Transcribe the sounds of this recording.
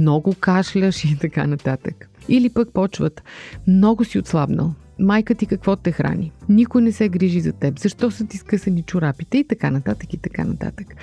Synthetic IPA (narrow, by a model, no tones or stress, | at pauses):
mnɔɡʊkaʃlʲəʃit̪ɐka̰nɐt̪at̪əkilipək̚pɔt͡ʃvət̪mnɔɡʊsiʊt̪slˠabnə̰lˠ | majkət̪ikɐkvɔt̪ɛxɾʔa̰nʲinikʊjnɛsɛɡɾiʒizɐt̪ɛpzɐʃt̪ɔsɤt̪iskɤsɐnit͡ʃʊɾapit̪ɛit̪ɐkanɐt̪at̪əkit̪ɐka̰nɐt̪a̰t̪ək